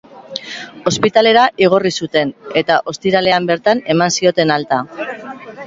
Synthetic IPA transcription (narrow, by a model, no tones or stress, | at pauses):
o̞spit̪ale̞ɾaʔiɣ̞o̞risut̪e̞ne̞t̪aʔo̞st̪iɾale̞ambe̞ɾt̪ane̞mansio̞t̪e̞nalt̪a